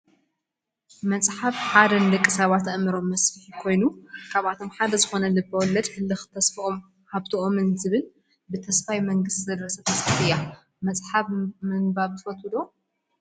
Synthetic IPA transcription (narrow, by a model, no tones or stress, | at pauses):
mɐt͡sʼħaβħad̪ɐnlɨkʼːɨsɐβat̪ɐʔmɨɾo̞mːɐsfɨħikʰo̞jnukʰaβat̪ʰo̞mħad̪ɐzɨxo̞nɐlɨbːɐwɔlːɐd̪hɨlːɨxt̪ʰɐsfʔom | haβt̪ʰoʔomɨnzɨβɨl | bɨt̪ʰɐsfajmɐŋɡɨst̪zɐd̪ɾɐsɐt̪ʰɐsfɐħɨja | mɐt͡sʼħaβmɨŋbaβt̪ʰɨfɐt̪ʰɨd̪o̞